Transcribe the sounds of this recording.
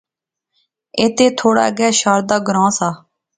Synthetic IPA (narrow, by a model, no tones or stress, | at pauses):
eːt̪eːt̪ʰoːɽa̰ːɡɛːʃaːɾd̪aːɡɾãːsaː